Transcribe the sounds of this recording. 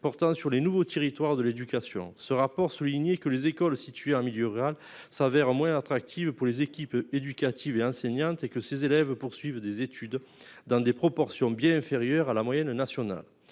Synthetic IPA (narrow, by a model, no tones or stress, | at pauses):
pɔʁt̪ɑ̃syʁlenuvot̪eʁit̪waʁd̪əled̪ykasjɔ̰̃səʁapɔʁsuliɲekəlezekɔlsit̪ɥeɑ̃miljøʁyʁal | savɛʁmwɛ̃at̪χak̚t̪ʰivpuʁlezekʲiped̪ykat̪ʰiveɑ̃sɛɲɑ̃t̪ekəsezelɛvpuʁsɥivəd̪ezet̪ʰyd̪ | d̪ɑ̃d̪epχɔpɔʁsjɔ̃bjɛ̃ɛ̃feʁjœʁalamwajɛnnasjɔna̰l